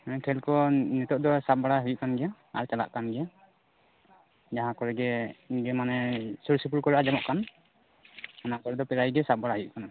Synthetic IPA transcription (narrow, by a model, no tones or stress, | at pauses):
kʰɛlkɔnɛt̪ɔʔ̚d̪ɔsap̚baɽaɦujuʔ̚kanɡɛja | a̰ɾt͡ʃala̰ʔkanɡɛja | d͡ʒaɦãkɔɾɛɡɛɡɛmanɛsuɾsup̬uɾkɔɾaʔad͡ʒamɔʔkan | anakɔɾɛd̪ɔpɛɾajɡɛsap̚baɽaɦujuʔ̚kana